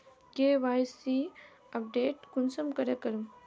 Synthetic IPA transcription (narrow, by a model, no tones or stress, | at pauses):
keːʋajsi | ɐp̚ɖeːʈkunsɐmkɐɾɐkɐɾum